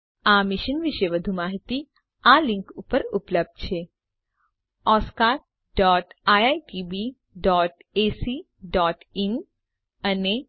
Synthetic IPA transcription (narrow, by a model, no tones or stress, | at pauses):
amɪʃənʋɪʃəjʋəd̪ʱumaːɦit̪i | alɪ̃ŋkupəɾupləb̚d̪̚t͡ʃʰe | ɔskaːɾ | ɖɔːʈajaiʈibi | ɖɔːʈesi | ɖɔːʈin | əne